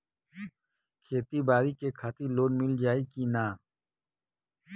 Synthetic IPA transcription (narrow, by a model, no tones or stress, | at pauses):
kʰeːt̪ibaːɾikekʰaːt̪iloːnmɪld͡ʒaːikinaː